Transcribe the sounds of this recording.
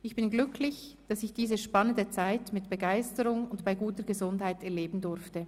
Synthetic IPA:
ɪçb̥ɪnɡlʏkʰlɪç | d̥ɑsɪçd̥iːzəʃpɑnəndət͡saɪtmɪtb̥əɡaɪstəʁʊŋʊntb̥aɪɡuːtəɡəzʊndhaɪtɛɐleːbn̩dʊɾftə

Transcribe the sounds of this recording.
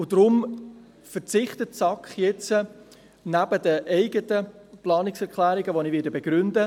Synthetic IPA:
ʊd̥ɾʊm | fəɾt͡sɪχtətsɑkχjɛt͡sə | næbədəʔɛɪɡətəplɑːnɪksɛʁkʰlæːɾiɡəʋonivɪːdəbɛɡ̥ɾʏndə

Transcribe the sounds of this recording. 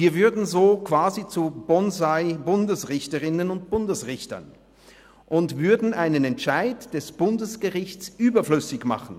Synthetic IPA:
viːɐvʏɐdn̩zoːkv̥aːzit͡subɔnzaɪbʊndəsʁɪçtəʁɪnənʊnt̚b̥ʊndəsʁɪçtɐ̰n | ʔʊntv̥ʏɐdn̩ʔaɪnənɛntʃaɪtd̥ɛsb̥ʊndəsɡ̥əʁɪçtt͡sʔyːbɐflʏsɪçma̰χn̩

